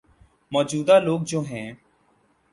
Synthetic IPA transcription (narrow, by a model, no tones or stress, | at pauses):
mɔːd͡ʒuːd̪aːloːɡ̚d͡ʒoːɦɛ̃ː